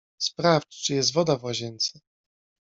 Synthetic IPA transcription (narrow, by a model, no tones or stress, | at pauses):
spɾaft͡ʂt͡ʂɘjɛst̪vɔd̪avwaʑɛnt̪sɘ